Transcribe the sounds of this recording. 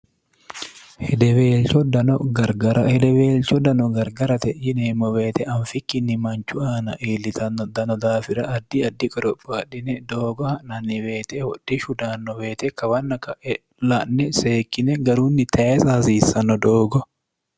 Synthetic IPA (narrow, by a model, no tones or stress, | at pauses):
hɛd̪ɛweːlt͡ʃɔd̪ɐnɔɡɐɾɡɐɾɐhɛd̪ɛweːlt͡ʃɔd̪ɐnɔɡɐɾɡɐɾɐt̪ɛjɪneːmɔweːt̪ɛʔɐnfɪkːɪnːɪmɐnt͡ʃʊaːnɐʔeːlːɪt̪ɐnːɔd̪ɐnɔd̪aːfɪɾɐʔɐd̪ːɪɐd̪ːɪkʼɔɾɔpʼːaᶑɪnɛd̪oːɡɔhɐnɐnːɪweːt̪ɛwɔᶑːɪʃʊd̪aːnːɔweːt̪ɛkɐwɐnːɐkɐʔɛ | lɐʔnːɛseːkːɪnɛɡɐɾuːnːɪt̪ʰɐɛsaːsiːsːɐnːɔd̪oːɡɔ